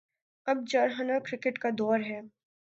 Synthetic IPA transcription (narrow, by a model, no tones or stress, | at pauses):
ɐb̚d͡ʒɐːɾɦɐnakɾɪkɪʈkad̪ɔːɾɦɛː